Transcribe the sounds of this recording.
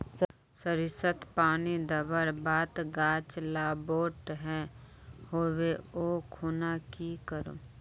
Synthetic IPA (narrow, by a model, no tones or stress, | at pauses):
s | səɾɪsət̪paːnid̪əbəɾbaːt̪ɡaːt͡ʃlaːboːʈɦɛ̃ | hoːweoːkʰuːnakikəɾo̰ː